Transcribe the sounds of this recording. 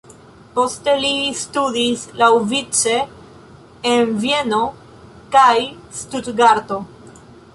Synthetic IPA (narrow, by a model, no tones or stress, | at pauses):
po̞ste̞listudislawvit͡ʃe̞ː | nvie̞no̞ | kaj | studɡaɾto̞